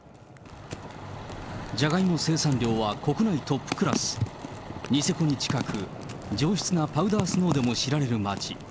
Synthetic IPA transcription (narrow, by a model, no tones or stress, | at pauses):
d͡ʑaɡaimo̞se̞ːsãnɾʲjo̞ːβako̞kɯ̟nait̪o̞pːɯ̥kɯ̟ɾasɨ̥ | ɲ̟ise̞ko̞ɲ̟it͡ɕi̥kakʰɯ̟ | d͡ʑo̞ːɕi̥t͡sɨnapaɯ̟d̪aːsɨno̞ːd̪e̞mo̞ɕiɾaɾe̞ɾɯ̟mat͡ɕi